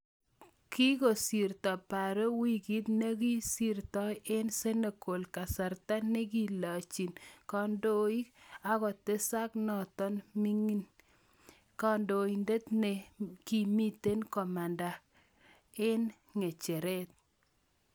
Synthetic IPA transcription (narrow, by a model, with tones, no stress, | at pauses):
ki˦ko˨si˨ɾtɔ˨pa˨ɾe˦wi˦ki˦t̪ne˦ki˦si˦ɾtɔ˦ʔe˦nse˦ne˨ko˨lka˨sa˨ɾta˦ne˦k̬i˦la˨t͡ʃi˨nkɔ˦ndo˦i˦a˦kɔ˨te˦sa˦knɔ˨tɔ˦nmi˦ŋi˦n | ka˦ndo˨i˨nde˦t̪ne˨ki˨mi˦te˦nkɔ˨ma˨nda˨ | e˦n | ŋe˨t͡ʃe˨ɾe˦t̪̚